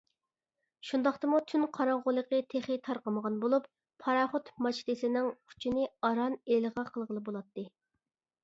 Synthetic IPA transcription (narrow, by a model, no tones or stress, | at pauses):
ʃund̪ɑχt̪ɨmut̪ʰynqʰɑɾɑŋʁʊlˠəqət̪ʰeχɪt̪ʰɑɾqəməʁɑnbolˠupʰː | ɑɾɑχot̪mɑt͡ʃt̪ɪsɪnɪŋkʰu̥t͡ʃʰinɪɑɾɑnelʁɑqʰəlˠʁəlˠɨbolˠɑt̪ːɨ